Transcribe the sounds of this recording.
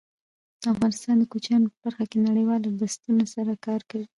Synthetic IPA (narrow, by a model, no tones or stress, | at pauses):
d̪̥əafɣɑnɪst̪ɑnd̪əkot͡ʃɑnopəb̥aɾxakenaɽəjwɑladast̪unasaɾakɑɾkawi